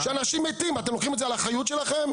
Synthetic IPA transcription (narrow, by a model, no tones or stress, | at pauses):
ʃeanaʃimet̪imat̪emloχimetzealaχajut̪ʃelaχem